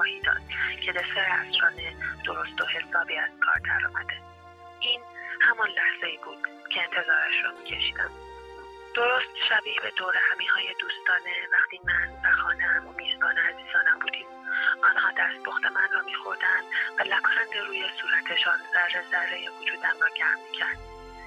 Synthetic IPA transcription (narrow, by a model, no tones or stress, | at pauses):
ɒhiːd̪ɒ̰ːd̪̥cʰe̞d̪eseɾeæsɾɒːned̪̥o̞ɾo̞st̪o̞he̞sɒːbiːæz̥kʰɒ̰ːɾd̪æ̰ɾɒ̰ːmæd̪e | ʔiːnhæmɒnlæhz̥eiːbuːd̪̥ | cʰe̞ːnt̪ʰe̞zɒːɾæʃɾɒmiːcʰe̞ʃi̥ːd̪æ̰m | d̪̥o̞ɾost̪ʃæbiːhbe̞d̪oːɾehæmiːhɒːjed̪uːst̪ɒːne̞væχt̪iːmænvæxɒːneæmomiːzbɒːneæziːz̥ɒːnæmbuːd̪iːmɒːnhɒːd̪æst̪̚boxt̪emænrɒːmiːxo̞ɾd̪ænd̪vælækʰonænd̪eɾuːjesuːɾæt̪ʰe̞ʃɔnzærːezæɾːejevod͡ʒuːd̪æmrɒːɟæɾmmicʰæɾd̪